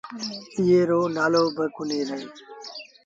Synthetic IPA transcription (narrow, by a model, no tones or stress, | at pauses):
ɪjeːɾoːnaːloːbəkʊneːɾəiː